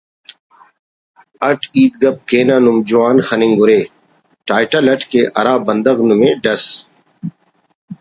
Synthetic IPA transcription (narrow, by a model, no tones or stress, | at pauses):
ɐʈʰiːt̪̚ɡɐp̚keːnaːnumd͡ʑuwaːnxɐnĩŋɡʊɾeː | ʈaːjʈɐlɐʈʰkeʔɐ̰ɾaːbɐ̃nd̪ɐɣnumẽɖɐs